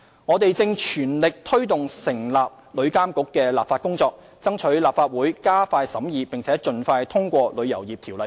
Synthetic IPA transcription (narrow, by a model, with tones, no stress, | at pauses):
ŋɔː˨˧t̪e˨jt͡sɪ˧ŋt͡ʃʰyː˨˩nlɪ˨k̚t̪ʰɵ˥ɥt̪ʊ˨˩ŋsɪ˨˩ŋlaː˨p̚ | lɵ˨˧ɥkaː˥mkʊ˨˥kːɛː˧la̰ː˨p̚faː˧t̚kʊ˥ŋt͡sɔː˧k̚ | t͡sɐ˥ŋt͡ʃʰɵ˨˥ɥlaː˨p̚faː˧t̚wuː˨˥jkaː˥faː˧jsɐ˨˥mjiː˨˧pɪ˨ŋt͡sʰɛː˨˥t͡ʃɵ˨nfaː˧jt̪ʰʊ˥ŋkʷɔː˧lɵ˨˧ɥjɐ̰˨˩wjiː˨p̚t̪ʰiː˨˩wlɐ˨˩